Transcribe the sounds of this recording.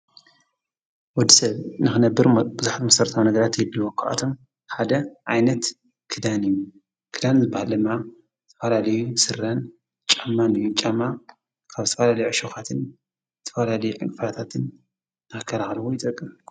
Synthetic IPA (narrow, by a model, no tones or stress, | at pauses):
wɔd̪ːisɐβnɨxɨnɐbːɨɾbɨzuħat̪mɐsɐɾt̪ʰawnɐɡɐɾat̪jɛd̪ːuwokʰaʔa̰t̪ʰo̞m | ħad̪ɐʔajnɐt̪ | kʰɨd̪anɨjːu | kʰɨd̪anzɨbːahald̪ɨmːa | ɨt̪ʰɐfɐlalɐjusɨrːɐn | t͡ʃʼamːanɨjːut͡ʃʼamːa | kʰaβzɨt̪ʰɐfɐlalɐjuʕɨʃoxat̪ʰɨn | zɨt̪ʰɐ̥fɐlalɐjuʕɨ̰ŋʼfat̪ʰat̪ʰɨn | akʰːɐlaxlwojɪt̪ʼɐkʼːɨm